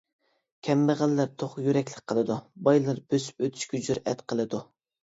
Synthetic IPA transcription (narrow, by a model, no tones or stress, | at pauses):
kʲʰɛmbəʁælːæɾt̪ʰoχjyɾɛkʲlɪk̚ʲqʰəlˠɨd̪ubɑjlˠɨɾb̥øsy̥pøt̪ʰy̥ʃkʲɛd͡ʒyɾɛ̰t̪qʰəlˠɨd̪u